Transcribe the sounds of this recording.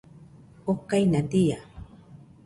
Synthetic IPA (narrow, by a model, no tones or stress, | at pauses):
okːajnad̪ija